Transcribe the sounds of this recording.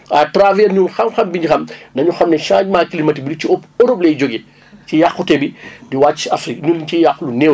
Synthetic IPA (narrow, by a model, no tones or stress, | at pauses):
atɾavɛːɾɲulxɐmxɐmbiɲɟixɐmnɐɲuxɐmnɛʃãːɲmaːkilimɐtibiduciɔpɔɾoblɛjd͡ʒoɡɛ | cijaxːutɛbidiwaːt͡ʃːiɐfɾikɲuːliɲcijaxlunɛw